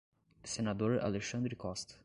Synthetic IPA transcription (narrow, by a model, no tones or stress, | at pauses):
senad̪oɾa̰leʃɐ̃nd̪ɾɪkɔst̪ɐ̥